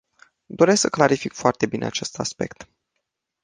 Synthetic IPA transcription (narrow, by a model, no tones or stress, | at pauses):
d̪o̞ɾesksəklaɾifikfoart̪e̞bine̞̰a̰t͡ʃe̞st̪aspe̞̰kt̪